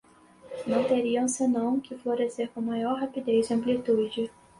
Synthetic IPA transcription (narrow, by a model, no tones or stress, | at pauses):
nɐ̃w̃t̪eɾiɐ̃w̃senɐ̃w̃kʰɪfloɾeseɾkõmajɔɾɦapid̪eziɐ̃mplit̪ud͡ʒɪ